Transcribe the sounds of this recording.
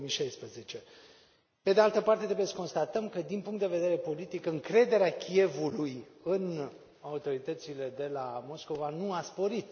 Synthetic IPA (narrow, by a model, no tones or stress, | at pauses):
miʃajspɾezet͡ʃe̞ | pe̞d̪e̞alt̪əpart̪e̞t̪ɾebjesəko̞nst̪at̪əmkəd̪inpuŋkt̪d̪eve̞d̪e̞ɾe̞po̞lit̪ikɨŋkɾe̞d̪e̞ɾeakʲie̞vulujɨn | aut̪o̞ɾit̪ət̪sile̞d̪e̞lamo̞sko̞vanuaspo̞ɾit̪